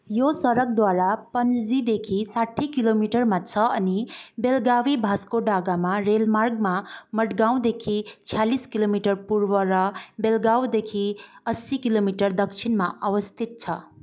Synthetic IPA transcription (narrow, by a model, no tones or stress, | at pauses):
josʌɾʌk̚d̪waɾapʌnd͡zd͡zid̪ekʰisaʈʰːikilomiʈʌrmat͡sʰʌʌnibelɡawibʱaskoɖaɡamaɾelmarɡ̚mamʌʈɡaw̃d̪ekʰit͡sʰijaliskilomiʈʌrpurwʌɾʌbelɡawd̪ekʰiʌsikilomiʈʌrd̪ʌkt͡sʰinmaawʌst̪ʰit̪̚t͡sʰʌ